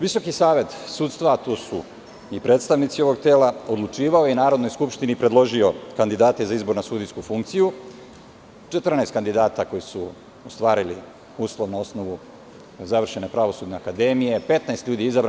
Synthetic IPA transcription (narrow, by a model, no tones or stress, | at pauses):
ʋiso̞kisaːʋe̞t̪sut̪st̪ʋat̪usu | ipɾet̪st̪aʋnit̪sio̞ʋo̞ɡt̪e̞ːlao̞d̪lˠut͡ʃiːʋaojeinaːɾo̞d̪no̞jskupʃt̪inipɾed̪lˠo̞ʒio̞kand̪id̪aːt̪e̞zaizbo̞ɾnasud̪ijskufuŋk̚t̪siju | t͡ʃe̞t̪rnaest̪kand̪id̪aːt̪ako̞jisu | ost̪ʋaːɾili | uːslˠo̞ʋnao̞sno̞ʋu | zaʋr̩ʃe̞ne̞pɾaʋo̞suːd̪nʲe̞akad̪e̞mije̞pe̞t̪naest̪ʎuːd̪iizabɾ